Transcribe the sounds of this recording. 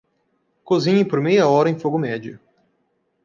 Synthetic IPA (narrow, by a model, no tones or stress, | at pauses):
kozĩɲẽj̃poɾmejɐɔɾɐẽj̃foɡʊmɛd͡ʒʊ